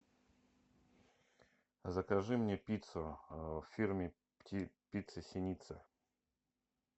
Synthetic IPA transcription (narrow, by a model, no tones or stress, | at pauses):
zəkɐʐɨmnʲepʲit̪səffʲirmʲɪ | ptʲipʲit̪sɨsʲɪnʲit̪sɨ